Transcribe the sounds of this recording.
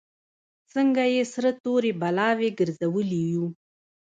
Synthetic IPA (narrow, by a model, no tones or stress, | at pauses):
səŋɡajesɾət̪oɾebalɑweɡəɾzawəliwu